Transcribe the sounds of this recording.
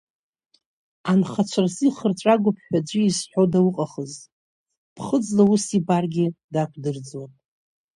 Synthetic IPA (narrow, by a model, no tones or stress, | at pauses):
anχat͡ʃʷʰarziχərt͡ʃʷʼaɡʷʊpʰħʷᶣad͡ʒʷiisħʷᶣodawʊqʼaχəztʼ | pʰχəd͡zlausibarɡʲidakʷʰdɨrd͡zwatʼ